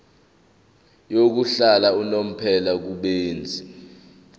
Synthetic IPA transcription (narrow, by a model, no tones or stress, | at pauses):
jok̬uɬalaunom̩pʰɛlak̬uɓeːnd͡zʱi